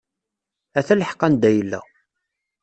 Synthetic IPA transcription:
æθæləħqːænd̪æjəlːæ̰

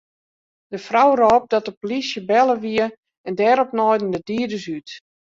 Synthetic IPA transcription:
d̥əfrawrɔːp̚dɔtəpolisjəbɛlˠəʋiə | ɛndɛːɾɔpnɔjdən̩dədiədəsyt

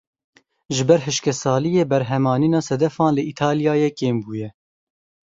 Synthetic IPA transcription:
ʒɨbɛɾɦɨʃkɛsɑːlijeːbɛɾɦɛmɑːniːnɑːsɛd̪ɛfɑ̃ːnlɨʔit̪ʰɑːlijɑːjeːkeːmbuːjɛ

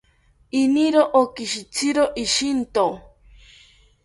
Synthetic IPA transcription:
iniɾoʔokiʃit͡sʰiɾoʔiʃint̪o

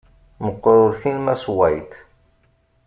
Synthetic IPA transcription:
məqːɾʊɾθinmæswæjt̪

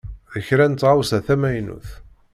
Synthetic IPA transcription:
ðəçɾænt̪ːʁawsæθæmæjnṵθ

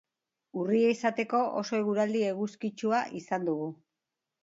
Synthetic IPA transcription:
urieisat̪e̞ko̞ʔo̰so̞e̞ɣ̞uɾald̪ie̞ɣuskit͡ʃuaʔisand̪uɣu

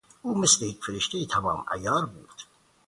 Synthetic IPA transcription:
uːmeslejecfeɾeʃt̪ejit̪ʰæmɒ̰ːmæ̰jɒːɾbuːɾd̪̥

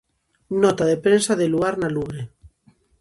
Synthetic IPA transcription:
nɔt̪aðepɾensaðeluɣaɾnaluβɾe

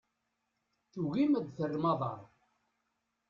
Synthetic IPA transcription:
θuɣimæd̪θərːmɑðˤɑ̰ɾˤ

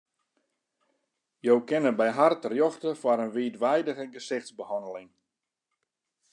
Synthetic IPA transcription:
jowkɪnəbɛjɦartrjɔxtəfaɾənʋiːtʋɛjdəɣəɡəsɪxtsbəhɔndəlɪŋ

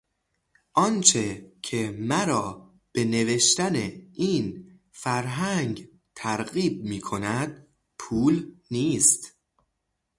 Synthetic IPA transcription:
ʔɒnt͡ʃʰe̞cʰe̞mæɾɒː | b̥e̞ne̞ve̞ʃt̪æneiːn | fæɾɦæŋɡ | t̪ʰæɾɣiːb̚miːkʰo̞næd̪̥̚ | pʰuːlniːst̪

